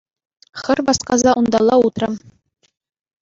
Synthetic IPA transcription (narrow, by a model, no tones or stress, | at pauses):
χɘ̆rbɑsqɑzɑʔund̪ɑlˠːɑut̪rɤ̆m